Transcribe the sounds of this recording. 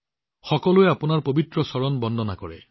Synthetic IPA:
xɔkɔlueapunaɹpobit̪ɹɔsɔɹɔnbɔnd̪ʱɔnakɔɹḛ

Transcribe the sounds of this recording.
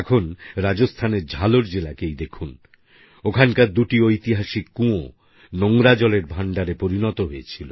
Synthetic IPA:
ɛkʰonɾad͡ʑost̪ʰaneɾd͡ʑʱaloɾd͡ʑelakejd̪ekʰun | okʰankaɾd̪uʈiojt̪iɦaʃikːũo | noŋɾad͡ʑɔleɾbʱaɳɖaɾepoɾinɔt̪oɦoet͡ɕʰilo

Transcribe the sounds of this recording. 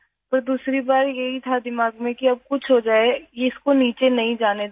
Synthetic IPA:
pɐɾd̪uːsɾibaːɾjɐɦit̪ʰad̪ɪmaːɡmẽkiɐb̚kʊt͡ʃʰɦod͡ʒaːejeɪskoniːt͡ʃenɐɦĩd͡ʒaːne

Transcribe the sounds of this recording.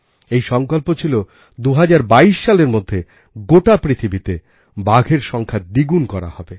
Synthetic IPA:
ejʃɔŋkolpot͡ɕʰilo | d̪uɦad͡ʑaɾbaiʃʃaleɾmod̪ʱːe | ɡoʈapɾit̪ʰibit̪e | baɡʱeɾʃɔŋkʰad̪iɡunkɔɾa̰hɔbe

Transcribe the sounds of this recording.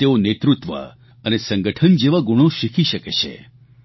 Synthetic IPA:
t̪eonet̪ɾut̪ʋə̰ | ənesə̃ŋɡəʈʰənd͡ʒeʋaɡuɽ̃õʃikʰiʃəket͡ʃʰḛ

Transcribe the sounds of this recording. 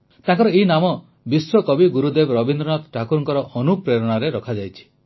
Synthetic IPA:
t̪ãŋkɔɾɔeinamɔ | biswɔkɔbiɡuɾud̪ebɔɾɔbind̪ɾɔnat̪ʈʰakuɾɔŋkɔɾɔʔɔnupɾeɾɔɽ̃aɾeɾɔkʰad͡ʒajt͡ʃʰi̥

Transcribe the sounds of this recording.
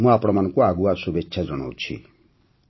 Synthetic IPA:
mũapɔɽ̃ɔmanɔŋkuaɡuasubekt͡ʃʰad͡ʒɔɽ̃ɔ̰wt͡ʃʰḭ

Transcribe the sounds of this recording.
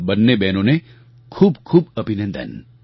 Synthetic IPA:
bɐnːebɛːnõne | kʰuːbkʰuːbɐbʱɪnə̃nd̪ʱə̰n

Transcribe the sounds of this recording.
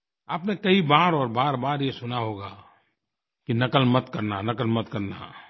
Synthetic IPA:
aːpnekɐibaːɾɔːɾbaːɾbaːɾjesʊnaɦoːɡaː | kinɐkəlmɐt̪kɐɾnanɐkəlmɐt̪kɐɾna̰

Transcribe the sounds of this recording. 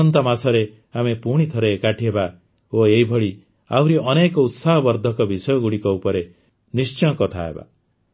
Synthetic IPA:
ɔnt̪amasɔɾe | amepuɽ̃it̪ʰɔɾekaʈʰiɦeba | oeɦibʱɔɭi | a̰wɾiɔnekɔut̪saɦɔbɔɾd̪ʱɔkɔbisɔjɔɡuɽikɔupɔɾe | nist͡ʃɔ̃kɔt̪ʰa̰ɦḛba̰

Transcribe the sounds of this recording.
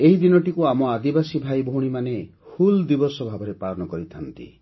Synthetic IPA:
eɦid̪inɔʈikuamɔad̪ibasibʱajboɦuɽ̃imane | fuld̪ibɔsɔbʱabɔɾepaɭɔnɔkɔɾit̪ʰant̪ḭ

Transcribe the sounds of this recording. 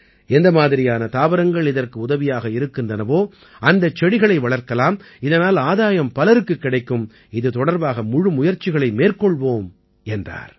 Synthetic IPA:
ɛnd̪ɐmaːðɪɾɪjaːnɐt̪aːʋɐɾɐŋɡɐɭɪðɐrkɯʊðɐʋɪjaːɣɐɪɾɯkːɯndrɐnɐʋoː | ɐnd̪ɐt͡ʃːɛɽɪɣɐɭɐɪʋɐɭɐɾkɐlaːm | ɪðɐnaːlaːðaːjɐmpɐlɐɾɯkːɯkːɪɽɐɪkːɯm | ɪðɯt̪ɔɽɐɾbaːɣɐmʊɻɯmʊjɐɾt͡ʃɪɣɐɭɐɪmeːrkɔɭʋoːm | ɛndra̰ːɾ

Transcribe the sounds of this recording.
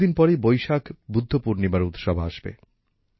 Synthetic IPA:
inpɔɾejbojʃakbud̪ʱːopuɾnimaɾut̪ʃɔbʱaaʃbḛ

